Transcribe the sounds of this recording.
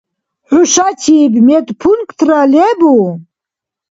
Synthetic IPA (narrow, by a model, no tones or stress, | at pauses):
ħuʃat̪ʰibmɛt̪ʼpʰunkt̪ʰɾalɛbu